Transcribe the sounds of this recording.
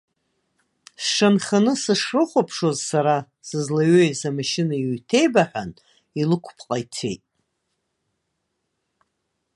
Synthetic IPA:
sʂanχanɨsɨʂrɨχʷapʰʂo̞zsaɾa | sɨzlaɥejzamaʃɪnaiɥtʰe̞jbaħʷᶣan | ilɨkʷʰpʰqʼajt͡sʰe̞̰jtʼ

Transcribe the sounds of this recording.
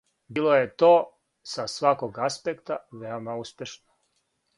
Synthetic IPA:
biːlˠojet̪oː | sasʋakoɡaspekt̪aʋeomauspʲjeʃno

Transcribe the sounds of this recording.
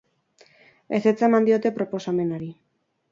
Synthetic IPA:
e̞set͡saemand̪io̞t̪e̞pɾo̞po̞same̞naɾi

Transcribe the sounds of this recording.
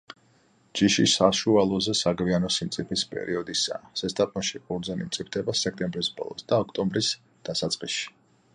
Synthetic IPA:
d͡ʒiʃisaʃualˠɔzɛsaɡvianɔsimt̪sʼipʰispʼɛ̰ɾʔiɔd̪isa̰ːsɛst̪ʼapʼɔnʃikʼuɾd̪zɛnḭmt̪sʼip̚ʰt̪ʰɛbasɛk̚ʰt̪ʼɛmbɾisbɔ̰lˠɔ̰sd̪̥aɔkʰt̪ʼɔmbɾis | d̪̥asat̪sʼqʼiʃi̥

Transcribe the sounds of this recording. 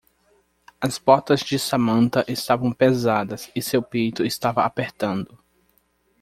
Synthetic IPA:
ɐspɔɾt̪ɐzd͡ʒɪsamɐ̃nt̪ɐʔɪst̪avɐ̃w̃pezad̪ɐsɪsewpejt̪ʊɪst̪avɐapeɾt̪ɐ̃nd̪ʊ

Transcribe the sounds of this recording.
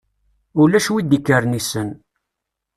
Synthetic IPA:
ʊlæʃwid̪ikːəɾnisən

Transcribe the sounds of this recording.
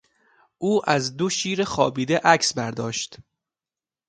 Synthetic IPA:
ʔuːʔæzd̪oʃiːɾexɒːbiːd̪eʔæksbæɾd̪ɒːʃt̪

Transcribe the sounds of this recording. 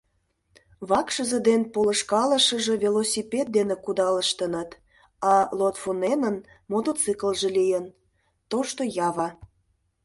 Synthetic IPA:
βɑkʃəzə̆d̪enpolə̆ʃkɑlə̆ʃə̆ʒĕvʲelosʲipʲet̪̚d̪enekud̪ɑləʃt̪ənət̪ | ɑlot̪fonenən | mot̪ot͡sɨkəlʒĕlijən | t̪oʃt̪ojɑβɑ

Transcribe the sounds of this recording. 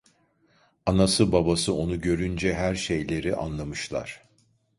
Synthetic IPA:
anasɯbabasɯo̞nuɟø̞ɾynd͡ʒɛɦæɾʃe̞jlʲe̞ɾiʔa̰nlˠamɯʃlˠa̰ɾ̥

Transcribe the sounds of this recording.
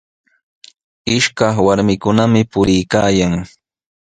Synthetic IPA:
ɪʃkɑχwaɾmɪkʊnamɪpʊɾɪjkaːjaŋ

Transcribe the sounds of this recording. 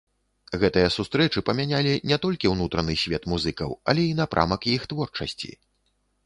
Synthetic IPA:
ɣɛt̪ɨjɐsust̪ɾɛt͡ʂɨpɐmʲanʲalʲinʲɛt̪ɔlʲkʲiwnut̪ɾɐnɨsʲvʲɛt̪muzɨkɐ̰wɐ̰lʲɛinapɾʔa̰mɐkjixt̪vɔrt͡ʂɐsʲt͡sʲḭ

